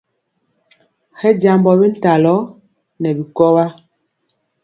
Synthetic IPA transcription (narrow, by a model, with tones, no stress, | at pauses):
xɛ˦d͡ʒa˨mbɔ˨bɛ˦n̩˦ta˨lɔ˨˦ | nɛ˨bi˨kɔ˦wa˦